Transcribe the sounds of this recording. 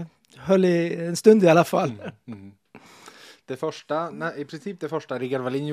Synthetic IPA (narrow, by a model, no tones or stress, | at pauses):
ɦœlːɪɛnst̪ɵnd̪ɪalafalː | d̪̥ɛfœʂʈanɛɪpʰɾɪnsiːp̚d̪ɛfœʂʈaɾɪɡaɾvaliːn